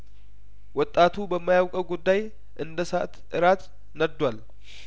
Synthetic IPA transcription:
wɔt̪ʼːat̪ʰubəmːajawkʼəwɡud̪ːaj | ʔɨnd̪əsaʔt̪ʔɨɾat̪ | nəd̪wal

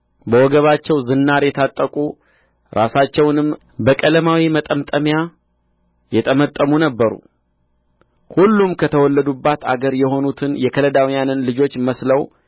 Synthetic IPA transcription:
bəwɔɡəβat͡ʃːɛwzɨnːaɾjɛt̪ʰat̪ʼːəkʼu | ɾʔasat͡ʃːɛwnɨm | bəkʼələmawimət̪ʼəmt̪ʼəmja | jɛt̪ʼəmət̪ʼːəmunəbːəɾṵ | hulːumkʰət̪ʰəwɔlːəd̪ubːat̪a̰ɡəɾjɛho̞nut̪ʰɨnjɛkʰələd̪awijanɨnlɨd͡ʒo̞t͡ʃːməsləw

